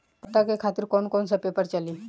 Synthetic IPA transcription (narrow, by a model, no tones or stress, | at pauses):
ʈakekʰat̪iɾkonkonsəpepəɾt͡ʃaliː